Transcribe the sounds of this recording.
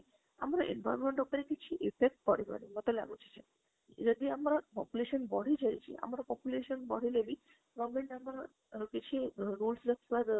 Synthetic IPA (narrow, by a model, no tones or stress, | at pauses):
a̰mɾaʔḛnba̰jɔɾmeɳʈupɔɾekit͡ʃʰiʔifek̚ʈ̚kɔɽibɔ̰ɾimɔt̪ela̰ɡut͡ʃʰi̥t͡ʃʰe | d͡ʒɔd̪iamɾapɔ̰puleʃɔnbɔɽ̤id͡ʒajt͡ʃʰḭa̰mɾapɔpuleʃɔnbɔɽ̤ilebi | ɡɔmeɳʈamɾa | kit͡ɕʰiɾulsɾəkʰbad̪